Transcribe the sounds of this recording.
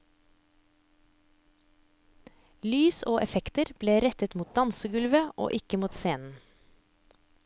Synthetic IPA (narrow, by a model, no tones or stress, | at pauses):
lyːsoːʔɛfɛkt̪əɾb̥leːɾɛt̪ət̪muːt̪̚d̪ɑnsəɡʉlʋəʔo̰ːʔɪkəmuːt̪seːnn̩